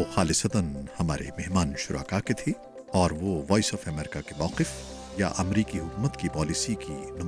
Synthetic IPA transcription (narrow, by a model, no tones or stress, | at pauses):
oxaːlɪsɐt̪ənhɐmaːɾḛmeɦmaːnʃʊɾʔa̰ːkaket̪ʰe | ɔːɾʋoʋɔːisɔːfɛmɛːɾɪkakemɔːqɪf | ja̰ʔɐmɾiːkiɦʊkuːmət̪kipɔːlisikinɐ